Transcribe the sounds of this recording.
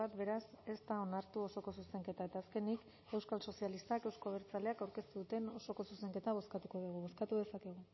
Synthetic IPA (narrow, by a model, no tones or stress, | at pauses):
at̪be̞ɾase̞st̪ao̞naɾt̪uo̞so̞ko̞suse̞ŋke̞t̪ae̞t̪aːske̞nik | e̞wskalso̞sialist̪ake̞wskoβeɾt͡saleakawɾke̞st̪uðut̪e̞no̞so̞ko̞suse̞ŋke̞t̪aβ̞o̞skat̪uko̞ðuɣ̞uβo̞skat̪uðe̞sake̞ɣ̞u